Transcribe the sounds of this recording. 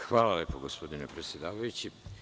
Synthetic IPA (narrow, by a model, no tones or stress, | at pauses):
xʋaːlaljeːpoɡospo̞d̪ine̞pɾet̪sʲje̞d̪aːʋajut͡ɕi